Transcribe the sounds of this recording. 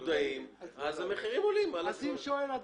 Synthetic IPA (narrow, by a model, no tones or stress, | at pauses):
d̪aimazameχiʁimolimalaimʃoelad